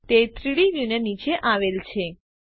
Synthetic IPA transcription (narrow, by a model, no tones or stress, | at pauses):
t̪et̪ɾiɭiʋjunənit͡ʃeʔaʋelt͡ʃʰe